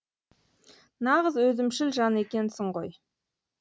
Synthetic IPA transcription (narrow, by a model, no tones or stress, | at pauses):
nɑʁəzwɵzɪmʃɪlʒɑne̞kʲe̞nsɪɴʁoj